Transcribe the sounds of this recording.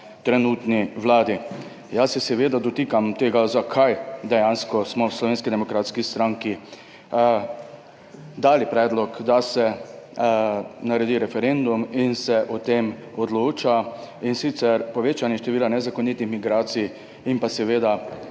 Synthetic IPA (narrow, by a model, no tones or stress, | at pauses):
t̪ɾɛnuːt̪niʋlaːd̪i | jasɛsɛʋeːd̪ad̪ɔt̪ikamt̪eːɡazakʰajd̪ɛjanskɔsmɔwslɔʋeːnskid̪ɛmɔkɾaːt̪skist̪ɾaŋki | d̪aːlipɾɛːd̪lɔkd̪asɛ | naɾɛd̪iɾɛfɛɾend̪uminsɛʔɔt̪em | ɔd̪loːt͡ʃainsit̪sɛɾpɔʋeːt͡ʃanjɛʃt̪ɛʋiːlanɛzakɔnit̪ixmiɡɾaːt̪sij | impasɛʋeːd̪a